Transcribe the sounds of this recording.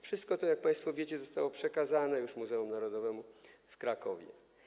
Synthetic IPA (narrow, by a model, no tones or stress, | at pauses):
fʂɘst̪̚kɔt̪ɔjak̚pãj̃st̪fɔvʲjet͡ɕɛzɔst̪awɔpʂɛkazanɛjuʂmuzɛumnaɾɔd̪ɔvɛmufkɾakɔvʲjɛ̰